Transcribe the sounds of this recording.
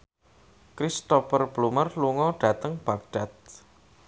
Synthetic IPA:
kɾist̪ɔfərb̥lumərluŋɔɖ̥a̤t̪əŋb̥aɡ̚ɖ̥a̤t̪̚

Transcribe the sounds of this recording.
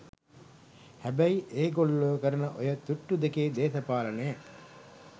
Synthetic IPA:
hæbæjiʔeːɡolːoːkəɾɐnəʔojət̪uʈːud̪ekeːd̪eːsɐpaːlɐneː

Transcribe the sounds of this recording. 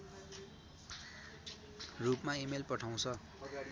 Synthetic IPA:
rupmaimelpʌʈʰaw̃t͡sʰʌ

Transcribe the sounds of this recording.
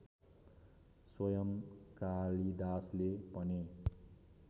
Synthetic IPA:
swʌjʌmkalid̪aslepʌne

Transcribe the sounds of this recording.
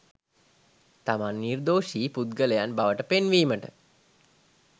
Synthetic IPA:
t̪amanːird̪oːʃiːpud̪ɡələjanbaʋəʈəpenʋiːməʈə̰

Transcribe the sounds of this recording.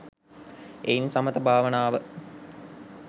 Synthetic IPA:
einsɐmət̪əbʱaːʋənaːʋə

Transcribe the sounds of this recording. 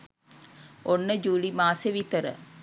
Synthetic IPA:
onːəd͡ʒuːlimaːseʋit̪əɾə̰

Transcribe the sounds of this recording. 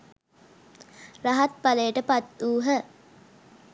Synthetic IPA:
raɦat̪̚palejəʈəpat̪ːuːɦə

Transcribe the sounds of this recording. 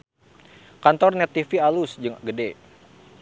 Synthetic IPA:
kant̪ɔrnɛt̪ifialusd͡ʒəŋaɡədɛ

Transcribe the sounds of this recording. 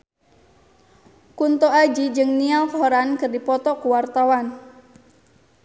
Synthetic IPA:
kunt̪ɔad͡ʒid͡ʒɨŋnialkɔɾankɨrdipɔt̪ɔkuwart̪awan

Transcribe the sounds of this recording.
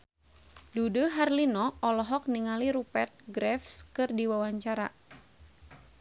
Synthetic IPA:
duduɦarlinɔɔlɔɦɔk̚niŋaliɾupɛrt̪̚ɡɾɛfskɨrdiwawaɲt͡ʃaɾa̰

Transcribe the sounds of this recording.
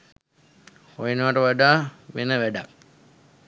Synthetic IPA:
hojenʋaʈəʋaɖaːʋenəʋæɖa̰k

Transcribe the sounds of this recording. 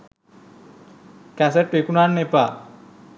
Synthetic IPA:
kæseʈːekunanːepa

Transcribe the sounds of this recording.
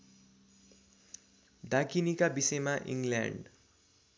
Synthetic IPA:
dakinikabisʌjmaʔḭŋɡljã̰ɳɖ

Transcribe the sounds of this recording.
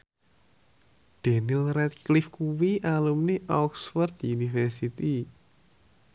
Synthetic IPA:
ɖ̪̥enilrɛt̪̚klifkuwiʔalumniʔɔksfərd̪unifɛrsit̪i

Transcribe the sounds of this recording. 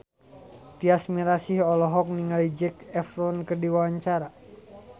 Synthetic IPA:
t̪iasmiɾasihɔlɔɦɔk̚niŋalid͡ʒɛkɛfɾɔnkərdiwawaɲt͡ʃaɾa

